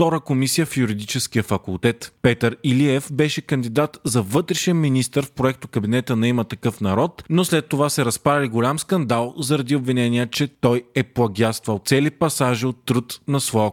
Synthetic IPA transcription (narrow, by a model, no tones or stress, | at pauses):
t̪ɔɾəkomisijəfjuɾid̪it͡ʃɛskijəfɐkulˠt̪ɛt̪pɛt̪əɾiliɛfbɛʃɛkɐnd̪id̪at̪zɐvɤt̪ɾɛʃɛnminist̪əɾfpɾoɛk̚t̪ʊkɐbinɛt̪ənɐimət̪ɐkɤfnɐɾɔt̪noslɛt̪ːovasɛɾɐspɾaliɡolʲamskɐnd̪alˠzɐɾɐd̪iobvinɛniət͡ʃɛt̪ɔjɛplˠɐɡʲast̪vəlˠt̪sɛlipɐsaʒiot̪ːɾət̪nɐsvɔ